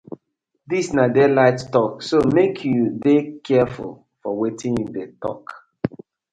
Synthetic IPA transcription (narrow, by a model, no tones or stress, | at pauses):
disnadɛlaɪttɔksomekʰjudekʰɛfṵl | fɔwetʰĩnjdetɔ̰k